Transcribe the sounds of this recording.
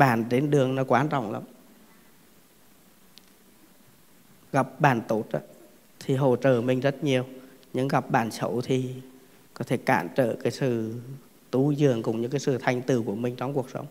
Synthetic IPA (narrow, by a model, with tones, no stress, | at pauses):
ɓaː˧˩nɗe˨˦nɗɨ˨˩əŋnɔ˨˦kwaː˨˦nt͡ɕɔ̰˧˨wŋ͡mlə̰˨˦m | ɣa˨˩p̚ɓaː˨˩nt̪o˦˥t̚ʔa̰ː˧˦ | t̪ʰi˨˩ɦo˧˩t͡ɕə̰ː˧˨˩mï˨˩ŋ̟zə˦˥t̚ɲi˨˩əwɲɨ̰˧˥ŋɣa˨˩p̚ɓaː˨˩nsə˧˩wt̪ʰi˨˩ | kɔ˨˦t̪ʰe˧˩kaː˧˩mt͡ɕə̰ː˧˨kaː˨˦jsɨ̰˧˨ | t̪u˨˧˦zɨ˧˩əŋkʊ̰˧˩ŋ͡mɲɨ̰˧˦kaː˨˦jsɨ̰˧˨t̪ʰa˧jŋ̟t̪ɨ˧˩ku˧˩əmï˨˩ŋ̟t͡ɕɔ˧wŋ͡mku˨˩ək̚sə̰˧˦wŋ͡m